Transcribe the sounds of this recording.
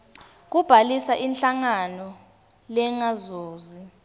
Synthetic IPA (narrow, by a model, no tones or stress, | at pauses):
k̬ub̥ʱalisaʔinɬaŋanɔ | lɛŋazoːzi